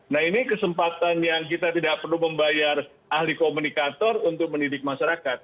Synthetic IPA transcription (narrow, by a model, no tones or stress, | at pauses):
naɦinikəsəmpat̪anjaŋk̬it̪at̪idaʔ̚pərnuməmbajar | ahlikomunikat̪ɔrunt̪ʊk̚məndidɪk̚maʃaɾakat̪̚